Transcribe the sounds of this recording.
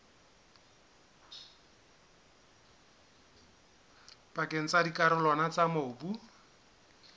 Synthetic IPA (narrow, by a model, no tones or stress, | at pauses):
pʼakʼeŋ̩t͡sadikʼaɾʊlwanat͡samobu